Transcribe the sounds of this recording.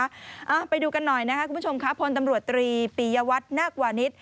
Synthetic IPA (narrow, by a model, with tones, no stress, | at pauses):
ʔa˧˩pa˧jduː˧ka˧nːɔ˨˩jna˦˥kʰa˦kʰu˧mʰ˦˥˩t͡ɕo˧mkʰa˦˥pʰo˧nt̪a˧mɾu˨˩ət̪ːɾiː˧piː˨˩jaː˧wa˦˥t̪̚naː˥˩kwaː˨˩ni˦˥t̪̚